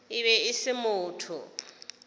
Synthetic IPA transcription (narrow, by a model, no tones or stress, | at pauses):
ɪβɛɪsɪmʊːtʰʊ